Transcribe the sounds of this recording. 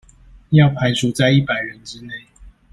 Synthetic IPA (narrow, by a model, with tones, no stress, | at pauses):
jɑ˥˨ʊpʰa˨˦ɪʈ͡ʂʰu˨˥t͡sa˥˧ɪi˥˩pa˨˩ɪɻə˨˦nʈ͡ʂɻ̩˦ne˥˨ɪ